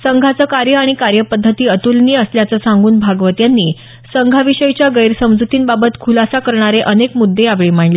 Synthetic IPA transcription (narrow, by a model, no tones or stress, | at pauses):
səŋɡʱat͡səːkaɾjəaɽ̃ikaɾjəpəd̪ʱːət̪iːət̪ulniːəsljat͡səsãŋɡuːnbʱaɡʋət̪janːiː | səŋɡʱaʋiɕəjt͡ɕjaɡəjɾsəmd͡zut̪iːnbabət̪kʰulasakəɾɳ̃aɾeʔənekmud̪ʱːeaʋɭiːmaɳli